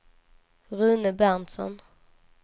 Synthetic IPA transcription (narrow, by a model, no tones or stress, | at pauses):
ɾʉːnəbæʁnt̪sɔ̰n